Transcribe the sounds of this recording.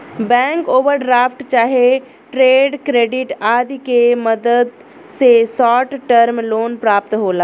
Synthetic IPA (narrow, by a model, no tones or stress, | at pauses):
bɛ̃ːŋkoːʋəɾɖɾaːfʈt͡ʃaːɦe | ʈɾeːɖkɾeːɖɪʈaːd̪keməd̪əd̪ | sesɔːʈʈəɾmloːnpɾaːp̚t̪ɦoːlaː